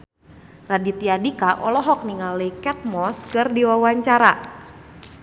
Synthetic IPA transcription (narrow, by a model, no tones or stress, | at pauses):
radit̪iadikaʔɔlɔɦɔk̚niŋalekɛt̪̚mɔskərdiwawaɲt͡ʃaɾa